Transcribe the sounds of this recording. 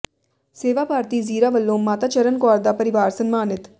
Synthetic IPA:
seːʋaːpaːɾt̪iːziːɾaːʋəlːoːmːaːt̪aːt͡ʃɐɾənkɔːɾd̪apəɾɪʋaːɾsɐnmaːnɪt̪

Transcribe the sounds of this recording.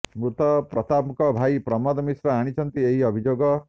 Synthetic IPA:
mɾut̪ɔpɾɔt̪apkɔbʱaipɾɔmɔd̪ɔmisɾɔaɽ̃it͡ʃʌnt̪ieɦiɔbʱid͡ʒoːɡɔ

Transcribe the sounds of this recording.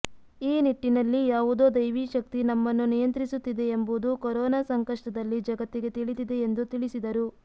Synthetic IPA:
iːniʈːinɐlːijaːʋud̪o̞ːd̪ɐjʋiːʃɐk̚t̪inɐmːɐnːunijɐnt̪ɾisut̪ːid̪e̞ːmbud̪ukoɾɔːnaːsɐŋkɐʂʈɐd̪ɐlːid͡ʒɐɡɐt̪ːiɡe̞t̪iɭid̪id̪e̞ːnd̪ut̪iɭisid̪ɐɾu

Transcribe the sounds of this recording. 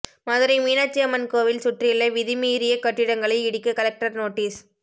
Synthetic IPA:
maːðɪɾɐɪmiːnaːt͡ʃːɪjɐmɐnkoːʋɪlsʊʈrɪɪlːɐʋɪðɪmiːɾɪjɐkɐʈːɪɽɐŋɡɐɭɐɪɪɽɪkːɐkɐlɐk̚ʈɐɾnoːʈːiːs

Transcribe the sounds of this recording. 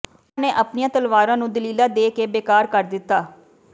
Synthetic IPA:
nẽːʔəpnijãːt̪əlʋaːɾãːnũːd̪əliːlaːd̪eːkeːbeːkaːɾkəɾd̪ɪt̪ːaː

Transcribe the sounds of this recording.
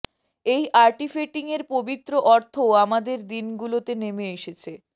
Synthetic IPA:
ejʔaɾʈifeʈiŋeɾpobit̪ːɾoʔɔɾt̪ʰoamad̪eɾd̪inɡulot̪enemeeʃet͡ɕʰe

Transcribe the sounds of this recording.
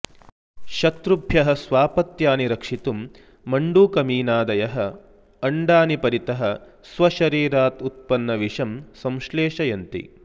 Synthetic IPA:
ʃɐt̪ɾubʱjɐɦɐ̆sʋaːpɐt̪jaːniɾɐkʂit̪umː | ɐɳɖuːkɐmiːnaːd̪ɐjɐɦɐ̆ | ɐɳɖaːnipɐɾit̪ɐɦɐ̆ | sʋɐʃɐɾiːɾaːt̪ut̪̚pɐnːɐʋiʂɐmsɐ̃mʃleːʂɐjɐnt̪ḭ

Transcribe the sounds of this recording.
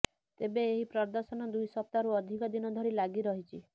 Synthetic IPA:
t̪ebeːɦipɾɔd̪ɔɾsɔnɔd̪ujsɔp̚t̪aɾuɔd̪ʱikɔd̪inɔd̪ʱɔɾilaɡiɾɔɦit͡ʃʰi

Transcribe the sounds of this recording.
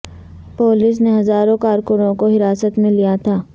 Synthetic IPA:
poːlɪs̬neɦɐzaːɾõkaːɾkʊɾõkoɦɪɾaːsət̪mẽlijat̪ʰaː

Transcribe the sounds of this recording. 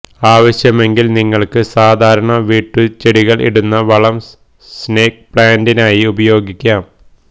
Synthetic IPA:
aːʋɐɕjɐme̞ŋɡilniŋːɐɭkɨsaːd̪ʱaːɾɐɳɐʋiːʈːɨt͡ɕeɽiɣɐɭʔḭɽunːɐʋɐɭɐm | sne̞ːk̚pɭaːndinaːjiubɐjo̞ːɡikʲːaːm

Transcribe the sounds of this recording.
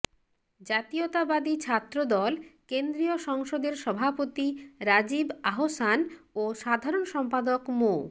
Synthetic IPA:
d͡ʑat̪iot̪abad̪it͡ɕʰat̪ːɾod̪ɔlkend̪ɾioʃɔŋʃod̪eɾʃɔbʱapot̪iɾad͡ʑibaɦosanoʃad̪ʱaɾonʃɔmpad̪okmo

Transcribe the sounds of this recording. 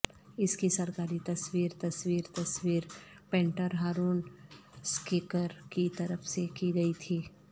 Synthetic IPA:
ɪskisɐɾkaːɾit̪ɐswiːɾt̪ɐswiːɾt̪ɐswiːɾ | pẽːɳʈəɾɦaːɾuːnskɪkəɾkit̪ɐɾəfsekiɡɐit̪ʰiː

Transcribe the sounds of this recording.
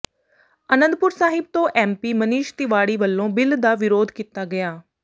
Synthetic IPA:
ənə̃nd̪̚pʊɾsaːɦɪb̚t̪õːʔɛːmpiːməniːʃt̪ɪʋaːɽiːʋəlːõːbɪld̪aːʋɪɾoːd̪kiːt̪aːɡəjaː

